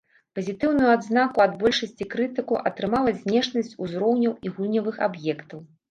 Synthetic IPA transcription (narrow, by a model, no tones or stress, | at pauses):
pɐzʲit̪ɨwnujuad̪znakuɐd̪bɔlʲʂɐsʲt͡sʲikɾɨt̪ɨkuʔɐt̪ɾɨmalˠɐzʲnʲɛʂnɐsʲt͡sʲuzɾɔwnʲɐwiɣulʲnʲɐvɨxabjɛkt̪ɐw